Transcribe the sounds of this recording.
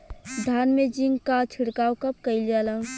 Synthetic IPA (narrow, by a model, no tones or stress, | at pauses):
d̪ʱanmed͡ʒiŋkat͡ʃʰiɽkaːwkəp̚kəɪljalə